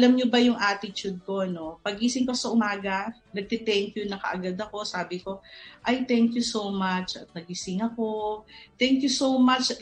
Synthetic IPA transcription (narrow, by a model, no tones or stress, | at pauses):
ʔɐlɐmɲobɐjʊŋʔaːt̪ɪt͡ʃud̪̚ko̞no̞pɐɡ̚ʔisɪŋkosɐʔʊmaːɡɐnɐɡ̚t̪ɛt̪ɛŋkjʊnɐkɐ̰ʔɐɡad̪ɐko̞saːbɪko̞ʔɐjt̪ɛŋkjusowmat͡ʃɐt̪̚nɐɡ̚isɪŋɐko̞t̪ɛŋkjusowmat͡ʃ